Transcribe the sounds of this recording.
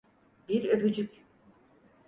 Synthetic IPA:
biɾøbyd͡ʒykʲ

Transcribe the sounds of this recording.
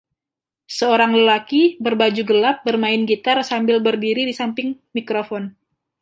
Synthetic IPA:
səoɾaŋləlakibərbad͡ʒuɡəlap̚bərmaɪnɡit̪arsambɪlbərdiɾidisampɪŋmikɾofɔn

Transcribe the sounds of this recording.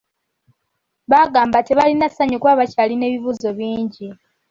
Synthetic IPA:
βaɡaːmbateβalinasaɲukwaβacaline̞ːβiβuːzo̞βiːɲɟi

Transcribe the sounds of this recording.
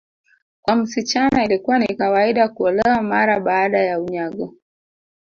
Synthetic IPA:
kwam̩sit͡ʃanailikuwanikawaiɗakuɔlɛwamaɾaɓaːɗajauɲaɡɔ

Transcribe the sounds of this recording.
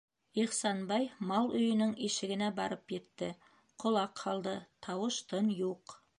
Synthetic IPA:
iχsɑnbɑjmɑlˠɵjɘ̆nɪŋiʃɪ̆ɡɪ̆næbɑɾəpjet̪ːɪ | qʰŏlˠɑqʰːɑlˠd̪ɤt̪ʰɑwəʃt̪ʰɤnjuq

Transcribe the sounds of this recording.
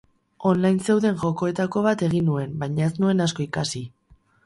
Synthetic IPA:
o̞nlajnse̞wðe̞ŋʝo̞ko̞e̞t̪ako̞β̞at̪e̞ɣ̞inue̞mbajɲae̞snue̞nasko̞ikasi

